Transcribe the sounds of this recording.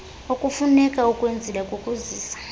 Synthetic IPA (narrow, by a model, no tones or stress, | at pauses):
okʼufunɛkʼaukʼwend͡zʱilɛkʼukʼuziːsḁ